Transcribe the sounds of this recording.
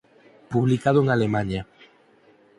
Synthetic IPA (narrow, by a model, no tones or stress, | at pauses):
puβlikað̞oeŋalemãɲa